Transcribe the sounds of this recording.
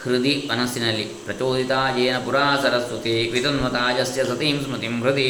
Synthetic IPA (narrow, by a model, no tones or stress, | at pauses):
kɾid̪iʋɐnɐsinɐlːipɾɐt͡ʃoːd̪it̪aːd͡ʒeːnɐpuɾaːsɐɾɐst̪ut̪iʋit̪ɐnʋɐt̪aːd͡ʒɐsjɐsɐt̪iːmsmɐt̪imɾut̪i